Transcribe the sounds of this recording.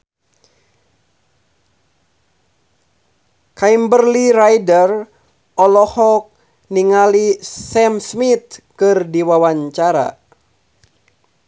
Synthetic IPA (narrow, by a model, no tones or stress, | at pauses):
kaimbərliɾajdər | ɔlɔhɔk̚ | niŋalisɛmsmit̪̚kɨrdiwawaɲt͡ʃaɾa̰